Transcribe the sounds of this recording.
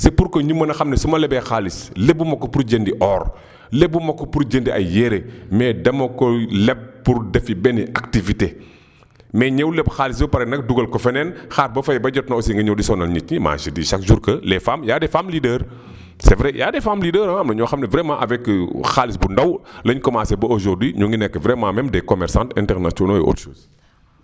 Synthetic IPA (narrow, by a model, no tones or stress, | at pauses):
sepuɾkɔɲumːɐnɐxɐmnɛsumɐlɛbɛxaːlislɛbumɐkːɔpuɾɟendiʔɔːr | lɛbumɐkːɔpuɾd͡ʒendiɐ̰jɛɾemɛdɐmɐkɔlɛb̚pːuɾdɛfibɛniʔaktivite | mɛːɲɛwlɛbxaːlis̬bɐpɐɾɛnɐk̚duɡɐlkɔfɛnɛnxaːt̚bɐfɐjɛbɐd͡ʒɔt̚nɐɔsiŋɡɐɲɔwdisɔnɐlɲit̚ɲima̰ːʃidiʃɐkʒuɾkəlɛfaːmjaːdɛfamlidəːr | sɛvɾɛjʔaːdɛfaːmlidəːɾaɐmlɐɲɔxɐmnɐvɾɛmãʔɐvɛkxaːlisbundɐwlɐɲkɔmasɛbɐoʒɔrdwiɲuŋɡinɛkːəvɾɛmãmɛmdɛkɔmɛɾsãntɛ̰ntɛrnasɔnojɛʔo̰tʃo̰ːs